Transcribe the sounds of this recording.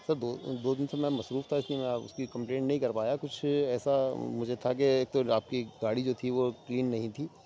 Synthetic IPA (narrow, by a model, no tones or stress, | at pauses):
sɐɾd̪oːd̪oːd̪ɪnsemɛ̃mɐsɾuːft̪ʰaɪsliemɛ̃ʊ̰skikɐ̃mplẽːɳʈnɐɦĩkɐɾpaːjakʊt͡ʃʰɛːsamʊd͡ʒʱet̪ʰak̬eeːk̚t̪oaːp̚kiɡaːɽid͡ʒoːt̪ʰiʋokliːnːɐɦĩt̪ʰiː